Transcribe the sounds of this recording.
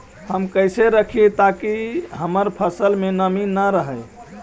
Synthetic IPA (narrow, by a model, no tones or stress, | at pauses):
həmkəjseɾəkʰit̪akiɦəməɾpʰəsəlmenəminːəɾəɦəj